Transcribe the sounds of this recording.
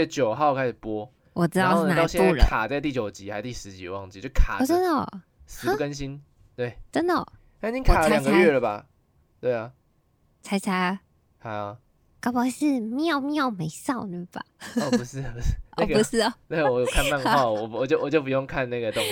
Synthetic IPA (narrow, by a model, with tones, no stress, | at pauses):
ə˧˩t͡ɕjo˨˩ʊxa˧˥˦o˨˩kʰa˦ɪʂ̩˨˩pwɔ˦ | wʔɔ˨˩ʈ͡ʂɻ̩˥ɑ˧˥˧ʊo˥˧˥nat̪ɑ˧jɛ̃˥u˥˩lkkʰa˨˩t͡sa˥˧ɪt̪i˥˩t͡ɕjo˨˩ʊt͡ɕi˨˦ha˧˥ɪt̪i˥˩ʂɻ̩˧˦t͡ɕḭ˨˧wɑ˥˧ŋt͡ɕi˥˨t͡ɕo˥˩kʰa̰˨˩o˨˩ə˥nd̪ə̰˨ | sɻ̩˧˥˦kə˦nɕ̬i˦n | t̪we˥˩ɪt͡sə˦˥nd̪ə˨ | a˥˨˩i˦ŋkʰa˨˩˦ljɑ˨˩ɡə˧˦ɥɛ˧˥˩lə˩ba̰˨˩ | t̪we˥˩ɪɐ˩ | t͡sʰa˧˥ɪt͡sʰa˧˥ | ha˧˦ɪɐ˨ | kɑ˥ʊpɑ˧˥ʂɻ̩˥˧mi˥˩o˥˨˩mi˥jo˥˩ʊme˨˧˥ɪsɑ˥˨ʊnə˥˩ba̰˨˩ɔ˨˧u˧˦ʂɻ̩˥˩˨u˧˦˥ʔɔ˥˨˩ɡu˧ʂɻ̩˥˩˨na˥˩ə˩wɔ˨˦jkʰa˥˧nma˥˨nɡə˧xwa˥˩wɔ˨˩wɔ˨˩t͡ɕjo˥˩ʊwɔ˨˩t͡ɕjo˥ʊp̬u˨˩jo˥˧ŋkʰa˥˧nna˥˩ɡə˩t̪o˥˨ŋ